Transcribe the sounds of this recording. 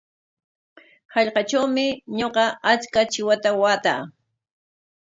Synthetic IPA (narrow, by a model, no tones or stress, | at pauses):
hɑʎqɑt͡ʃawmɪɲoqɑʔat͡skat͡ʃɪwat̪awaːt̪aː